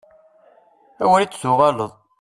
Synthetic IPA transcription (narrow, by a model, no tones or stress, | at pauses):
æwəlit͡sːsʊʁɑləðˤ